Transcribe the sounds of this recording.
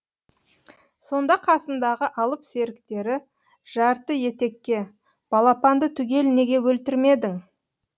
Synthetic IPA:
so̞nd̪ɑqʰɑsənd̪ɑʁəʔɑlˠəpse̞ɾɪkt̪e̞ɾɪ | ʒ̥ɑɾt̪əje̞t̪e̞kʲːe̞ | b̥ɑlˠɑpɑnd̪ət̪ʰʏɡʲe̞lne̞ɡʲe̞wɵlt̪ɪɾme̞d̪ɪŋ

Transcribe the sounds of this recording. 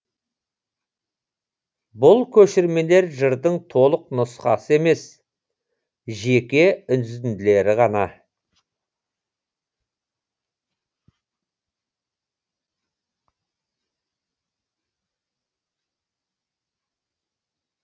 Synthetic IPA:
bʊlˠkʲʰɵʃɪɾme̞le̞ɾʒəɾd̪əɴt̪ʰo̞lˠəqnʊsqɑ̰səe̞me̞s | ʒe̞kʲe̞ʏnd̪ɪzt̪ɪnd̪ɪle̞ɾɪʁɑnɑ

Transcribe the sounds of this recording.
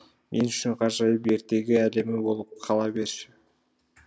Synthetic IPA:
mʔenyt͡ʃyɴqʰɑɾʒɑjəpe̞ɾt̪e̞ɡʲiæle̞mɪbo̞lˠup̚qʰɑlˠɑbe̞ɾʃɪ

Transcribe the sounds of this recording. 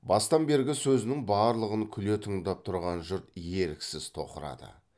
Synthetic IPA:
bɑst̪ɑmbe̞ɾɡʲɪsɵzɪnɪŋbɑɾlˠəʁəŋkʲʰʏle̞t̪ʰəŋd̪ɑp̚t̪ʰʊɾʁɑnʒʊɾt̪je̞ɾɪksɪz̥t̪ʰo̞̰qəɾɑ̰d̪ə̰

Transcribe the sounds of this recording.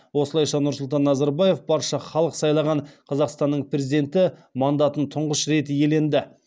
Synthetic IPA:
wo̞səlˠɑjʃɑnʊɾsʊlˠt̪ɑnːɑzɑɾbɑje̞fbɑɾʃɑχɑlˠəqsɑjlˠɑʁɑɴqʰɑzɑqst̪ɑnːəɴpɾe̞zid̪e̞nt̪ɪmɑnd̪ɑt̪ənt̪ʰʊɴʁəʃɾe̞t̪ɪje̞le̞nd̪ɪ

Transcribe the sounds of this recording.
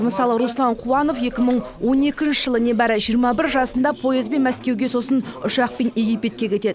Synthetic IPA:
məsɑlˠəɾuslˠɑɴqʰuɑno̞fje̞kʲɪməɴ | wo̞ne̞kʲɪnʃɪ̥ʒ̥əlˠənebæɾɪʒijəɾmɑbɪɾʒɑsənd̪ɑpʰo̞jezbe̞nmæskʲe̞wɡʲe̞so̞sənʊʃɑq̚pe̞nje̞ɡʲijpʲe̞t̪̚kʲe̞kʲʰe̞t̪e̞d̪ɪ

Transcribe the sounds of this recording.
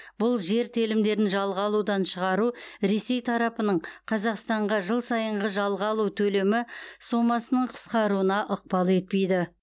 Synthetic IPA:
b̥ʊlˠʒe̞ɾt̪ʰelɪmd̪e̞ɾɪnʒɑlˠʁəɑlˠud̪ɑnʃəʁɑɾuɾe̞se̞jt̪ʰɑɾɑpənəɴqʰɑzɑqst̪ɑɴʁɑʒəlˠsɑjəɴʁəʒɑlˠʁəɑlˠut̪ʰɵle̞mɪso̞mɑsənəɴqʰə̥sqɑɾuənɑʔʊq̚pɑlˠe̞t̪̚pe̞jd̪ɪ

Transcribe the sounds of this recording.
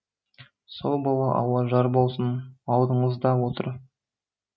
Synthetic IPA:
so̞lˠbɑlˠɑʔɑ̰wˠɑʒɑɾbo̞lˠsənɑlˠd̪əɴəzd̪ɑwo̞t̪ə̰ɾ

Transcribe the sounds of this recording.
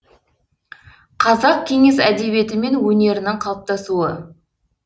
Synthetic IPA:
qʰɑzɑq̚kʲʰe̞ŋe̞sæd̪e̞βe̞t̪ɪme̞nwɵne̞ɾɪnɪɴqʰɑlˠp̚t̪ɑsuə

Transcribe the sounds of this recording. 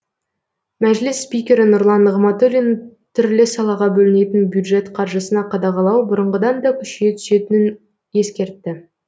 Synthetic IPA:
mæʒlɪsːpijkʲe̞ɾɪnʊɾlˠɑnʁmɑt̪olʲin | t̪ʰʏɾlɪsɑlˠɑʁɑbɵlɪne̞t̪ɪnbjud̪ʒe̞t̪qʰɑɾʒəsənɑqʰɑd̪ɑʁɑlˠɑwbʊɾəɴʁəd̪ɑnd̪ɑkʲʰʏʃe̞t̪ʰʏ̥se̞t̪ɪnɪn | je̞skʲe̞ɾt̪ːɪ

